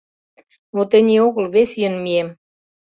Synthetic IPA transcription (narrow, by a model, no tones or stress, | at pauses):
mot̪ĕnʲeoɣə̆lβesʲjə̆nmiem